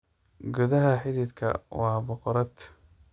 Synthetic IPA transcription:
ɡʊðɐɦɐħɪðid̪kʰɐ̰wɑːbɔqɔɾɐd̪

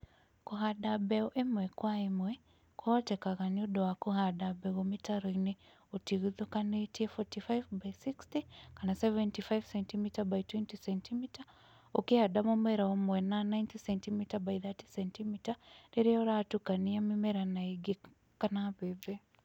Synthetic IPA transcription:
kuɦadabɛɔʔemwɛkwaemwɛ | kʰwɔtɛkaɣaniudɔwakuhadabɛɣomitaɾene | utiɣuðukanetiɛfɔtifajvbaisikstikanasɛvɛntifajvsɛntimitabaitwɛntisɛntimita | okihadamomwɛɾaɔmwɛnanajntisɛntimitabaiðati̥sɛntimitaneɾiɔɾatukaniamimɛɾanaiɡe | kanaβɛbɛ

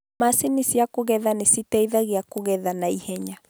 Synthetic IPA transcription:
masinisjakoɣɛðanesitɛiðaɣeakoɣɛðanaihɛɲa

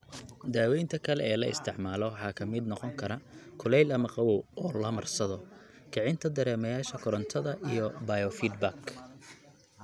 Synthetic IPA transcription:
d̪aːwɛjnt̪ʰɐkʰɐlɛɛːlɐɪ̰st̪ʰɪʕmaːlɔwɑħɑːkʰɐmɪd̪nɔqɔŋkʰɐɾɐkʰʊlɛjlɐmɐqɑwɔwɔːlɐmɐrsɐðɔ | kʰɐʕɪnt̪ʰɐd̪ɐɾɛːmɐjaːʃɐkʰʊɾɐnt̪ʰɐðɐʔijɔbɐjɔfiːd̪bak

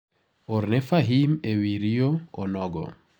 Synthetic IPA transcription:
oɾnefaɦimewiɾioɔnɔɡɔ̰

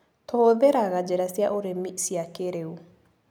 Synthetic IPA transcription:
tʰoːðeɾaɣad͡ʒɛɾasjaʔoɾemisjakeɾeu

